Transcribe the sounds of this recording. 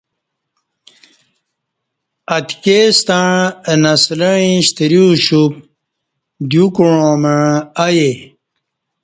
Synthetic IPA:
ɐt̪kest̪aɻənasləɻ̃ĩɕt̪iɾiɕup̚ | d̪jukuɻõməɻaje

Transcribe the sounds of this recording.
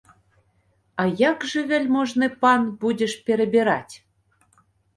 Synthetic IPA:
ɑjɑkʒĕβelʲmoʒnepɑnbudʲeʃpeɾebeɾɑtʲ

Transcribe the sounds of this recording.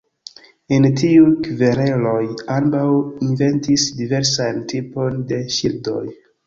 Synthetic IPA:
entiukveɾe̞lo̞jambawinve̞ntisdive̞ɾsantʰipo̞nde̞ʃildo̞̰j

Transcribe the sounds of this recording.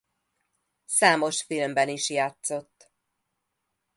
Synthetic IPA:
saːmo̞ʃfilmbɛniʃjaːt̪so̞t̪ː

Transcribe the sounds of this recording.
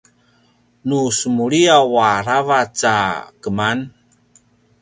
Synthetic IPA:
nusəmuɾiawaɾavat͡sa̰kəman

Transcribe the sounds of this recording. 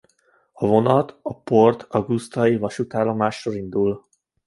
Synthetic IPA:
ɒvo̞nɒt̪ɒport̪ʰɒɡust̪ɒjivɒʃut̪aːlomaːʃːolind̪ul

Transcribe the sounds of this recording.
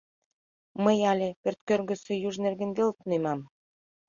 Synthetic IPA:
məjɑlʲĕpørt̪̚kørɣə̆sĕjuʒnerɡĕnɡelt̪unemɑm

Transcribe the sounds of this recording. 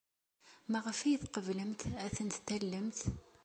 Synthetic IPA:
mæʁəfæjəθqəvləmt̪æθənt̪t̪ːælːəmt̪

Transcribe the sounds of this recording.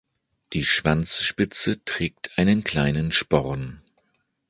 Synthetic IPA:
d̥iːʃv̥ant͡sʃpɪt͡sətʁ̥ɛːk̚tʰʔaɪnənkl̥aɪnənʃpɔʁn

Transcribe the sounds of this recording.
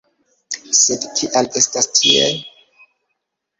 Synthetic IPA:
sedtʰiʔale̞stastʰie

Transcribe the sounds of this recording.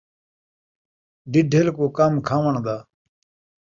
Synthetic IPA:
ɖiɖʱelkoːkamkʰaːʋəɳd̪aː

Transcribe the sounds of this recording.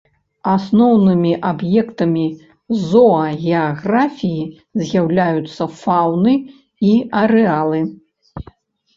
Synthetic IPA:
asnɔwnɨmʲiʔabjɛkt̪ɐmʲi | zɔɐɣʲɛaɣɾafʲiji | zʲjawlʲajut̪sːɐfawnɨ | iɐɾɛalˠɨ

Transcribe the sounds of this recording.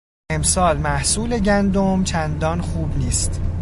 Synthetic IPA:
e̞msɒːlmæhsuːle̞ɟænd̪omt͡ʃʰænd̪ɒːnxuːbniːst̪

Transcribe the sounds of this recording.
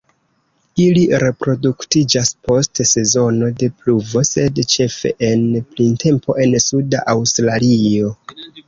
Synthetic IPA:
iliɾe̞pɾo̞duktid͡ʒaspo̞stse̞zo̞no̞de̞pluvo̞se̞dt͡ʃe̞fe̞̰ʔenplintʰe̞mpʰo̞ʔe̞nsudaʔawstɾalio̞

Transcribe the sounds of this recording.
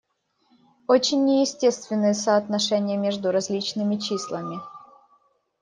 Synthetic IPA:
ot͡ɕɪnʲːɪjɪsʲtʲe̞st̪vʲɪnːɨjəsəɐt̪nɐʂɛnʲɪjəmʲeʐd̪ʊɾɐzʲlʲit͡ɕnɨmʲɪt͡ɕislˠəmʲɪ

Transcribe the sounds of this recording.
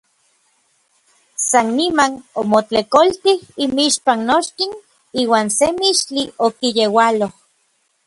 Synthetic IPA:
sanːimanomot͡ɬekolt̪ihimiʃpannoʃkin | iːwaːnsemiʃt͡ɬliokijewaloh

